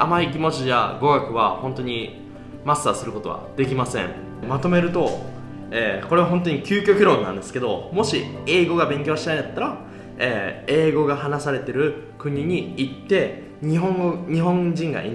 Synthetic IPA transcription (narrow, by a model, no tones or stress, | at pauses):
amaik̬ʲimo̞t͡ɕija̰ɡo̞ɡakɯ̟β̞a̰hõ̞nt̪o̞ɲ̟i | masːasɨɾɯ̟ko̞t̪o̞a̰d̪e̞k̬ʲimasẽ̞ɴ | mat̪o̞me̞ɾɯ̟t̪o̞ | eːko̞ɾe̞aɦont̪o̞ɲ̟ikʲɨːkʲo̞kʲiɾo̞nã̰nd̪e̞sɨ̥ke̞d̪o̞mo̞ɕie̞ːɡo̞ɡabẽ̞ŋk̬ʲo̞ːɕinaind̪at̪ːaɾa | eːe̞ːɡo̞ɡaɦanasaɾe̞t̪e̞ɾɯ̟ | kɯ̟ɲ̟iɲ̟iːt̪ːe̞ | ɲiɦõŋɲ̟iɦõ̞ɲd͡ʑĩŋɡa̰ʔḭn